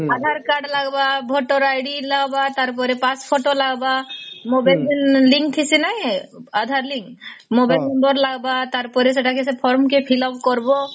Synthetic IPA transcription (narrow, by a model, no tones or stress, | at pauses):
ad̪ʱaɾkaɖlaɡbabʱoʈɔɾajɖilaɡbat̪aɾp̬ɔɾepaspʰoʈolaɡbamobajld̪inliŋk̚t̪ʰisinajad̪ʱaɾliŋkmobajlɔnd̪ɔɾlaɡbat̪aɾpɔɾes̬eʈʰakes̬epʰɔɾmkepʰilɔb̚kɔɾbɔ